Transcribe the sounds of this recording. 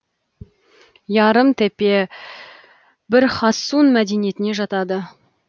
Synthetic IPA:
jɑɾəmt̪ʰæpe̞ | bɪɾχɑsːunmæd̪e̞nije̞t̪ɪne̞ʒɑt̪ɑd̪ə

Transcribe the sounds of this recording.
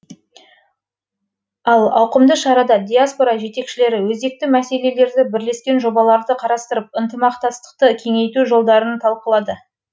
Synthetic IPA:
ɑlˠɑ̰wqəmd̪əʃɑɾɑd̪ɑd̪ʲijaspo̞ɾɑʒe̞t̪e̞kʃɪle̞ɾɪwɵzd̪e̞k̚t̪ɪmæse̞le̞le̞ɾd̪ɪbɪɾle̞skʲe̞nʒo̞bɑlˠɑɾd̪əqʰɑɾɑst̪əɾəp̚ənt̪əmɑqt̪ɑst̪ə̥q̚t̪əkʲʰe̞ŋe̞jt̪uʒo̞lˠd̪ɑɾənt̪ʰɑlˠqəlˠɑd̪ə

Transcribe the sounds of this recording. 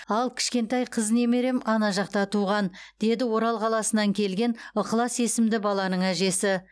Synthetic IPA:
ɑlˠkʲʰɪ̥ʃkʲe̞nt̪ɑjqʰəzne̞me̞ɾe̞mɑnɑʒɑq̚t̪ɑt̪ʰuʁɑnd̪̥e̞d̪ɪwo̞ɾɑlˠqʰɑlˠɑsənɑŋkʲʰe̞lɡʲe̞nʊqəlˠɑsje̞sɪmd̪ɪbɑlˠɑnəɴæʒe̞sɪ

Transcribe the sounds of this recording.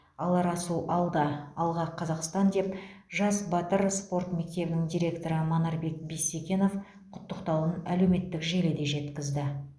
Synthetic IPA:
ɑlˠɑɾɑsuʔɑlˠd̪ɑɑlˠʁɑqʰːɑzɑqst̪ɑnd̪e̞p | ʒɑsbɑt̪əɾspo̞rt̪me̞k̚t̪e̞bɪnɪŋd̪ʲijɾʲe̞kt̪oɾəmɑnɑɾbe̞k̚bisekʲe̞no̞f | qʰʊt̪ːəqt̪ɑwənæle̞wme̞t̪ːɪkʒeled̪e̞ʒe̞t̪kʲɪzd̪ɪ

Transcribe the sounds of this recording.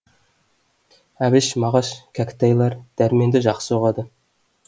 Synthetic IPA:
æbɪʃmɑʁɑʃkʲʰækʲt̪ɑjlˠɑɾd̪̥æɾme̞nd̪ɪʒɑqsəoʁɑd̪ə

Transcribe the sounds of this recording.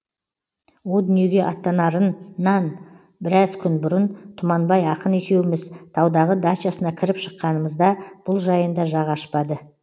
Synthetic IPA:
wo̞lˠd̪ʏnije̞ɡʲe̞ʔɑt̪ːɑnɑɾənːɑn | bɪɾɑzkʲʰʏnbʊɾənt̪ʰʊmɑnbɑjɑqəne̞kʲe̞wɪmɪzt̪ʰɑwd̪ɑʁəd̪at͡ʃɑsənɑkʲʰɪɾɪpʃə̥qːɑnəməzd̪ɑb̥ʊlˠʒɑjənd̪ɑʒɑʁɑʃpɑd̪ə

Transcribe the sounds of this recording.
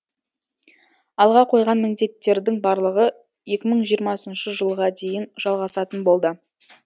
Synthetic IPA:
ɑlˠʁɑqʰo̞jʁɑnmɪnd̪e̞t̪ːe̞ɾd̪ɪŋbɑɾlˠəʁə | je̞kʲɪməɴʒijəɾmɑsənʃəʒəlˠʁɑd̪e̞jɪnʒ̥ɑlˠʁɑsɑt̪ənbo̞lˠd̪ə

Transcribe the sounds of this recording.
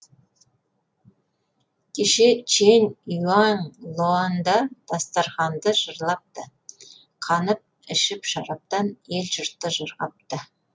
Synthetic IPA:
kʲʰeʃet͡ʃʰenʲiwɑnlˠoand̪ɑd̪̥ɑst̪ɑɾχɑnd̪əʒ̥əɾlˠɑp̚t̪ə | qʰɑnəp̚ | ɪʃɪpʃɑɾɑp̚t̪ɑnelʒəɾt̪ːəʒəɾɑp̚t̪ə

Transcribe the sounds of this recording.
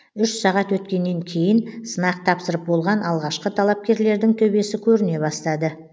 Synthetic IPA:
ʏʃsɑʁɑt̪wɵt̪kʲe̞nːe̞ŋkʲʰe̞jɪnsənɑqt̪ʰɑpsəɾəp̚bo̞lˠʁɑnʔɑlˠʁɑʃqət̪ʰɑlˠɑp̚kʲe̞ɾle̞ɾd̪ɪŋt̪ʰɵbe̞sɪkʲʰɵɾɪne̞bɑst̪ɑd̪ə

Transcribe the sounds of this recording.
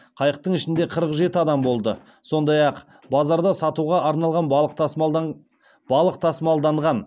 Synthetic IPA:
qʰɑjəq̚t̪əɴɪʃɪnd̪e̞qʰəɾəqʒe̞t̪ɪɑd̪ɑmbo̞lˠd̪ə | so̞nd̪ɑjɑq | bɑzɑɾd̪ɑsɑt̪uʁɑʔɑɾnɑlˠʁɑnq | b̥ɑlˠəqt̪ʰɑsmɑlˠd̪ɑɴʁɑn

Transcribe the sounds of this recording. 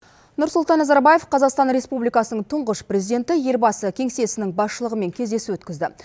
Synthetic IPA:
nʊɾsʊlˠt̪ɑnːazɑɾbɑje̞fqʰɑzɑqst̪ɑnɾe̞spublijkɑsənəɴt̪ʰʊɴʁəʃprʲe̞zid̪ʲe̞nt̪ɪje̞ɾbɑsəkʲʰe̞ŋse̞sɪnɪŋbɑsʃəlˠəʁəme̞ŋkʲʰe̞zd̪e̞suwɵt̪kʲɪzd̪ɪ

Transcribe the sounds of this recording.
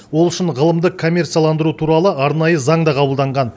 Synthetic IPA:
wo̞lˠʏʃɪnʁəlˠəmd̪əqkʰo̞mʲːe̞rt̪sijalˠɑnd̪əɾut̪ʰuɾɑlˠəɑɾnɑjəzɑɴd̪ɑqʰɑbəlˠd̪ɑɴʁɑn

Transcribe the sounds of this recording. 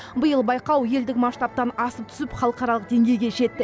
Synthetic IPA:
bəjəlˠbɑjqɑwje̞ld̪ɪkmɑʃt̪ɑp̚t̪ɑnɑsəp̚t̪ʰʏ̥sɪpχɑlˠəqɑɾɑlˠəqd̪e̞ŋɡʲe̞jɡʲe̞ʒe̞t̪ːɪ

